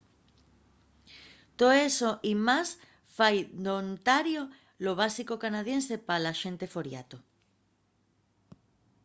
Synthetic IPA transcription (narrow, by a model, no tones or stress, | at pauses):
t̪oesoʔimas | fajd̪ont̪aɾjo | loβ̞asikokanað̞jensepalaʃẽ̞nt̪efoɾja̰t̪o